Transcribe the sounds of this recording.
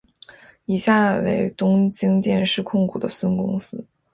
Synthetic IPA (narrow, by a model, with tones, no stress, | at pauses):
i˨˩ɕja˥˩wḛ˧˥ɪt̪ʊ˥ŋt͡ɕi˥ŋt̪jɛ˥˧nʂɻ̩˥˧kʰʊ˥˩ŋkʰu˨˩d̪ə˦swə˥nkʊ˥ŋsɹ̩˥